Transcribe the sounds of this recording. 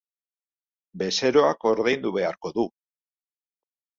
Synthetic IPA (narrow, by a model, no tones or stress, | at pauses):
be̞se̞ɾo̞ako̞ɾðe̞jnd̪uβe̞aɾko̞ðu